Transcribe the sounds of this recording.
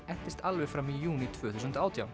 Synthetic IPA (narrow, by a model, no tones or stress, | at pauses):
ɛht̪ɪst̪alvɛfɾamijuːnit̪ʰvœːθus̬ʏnt̪aːwt̪ʰjaw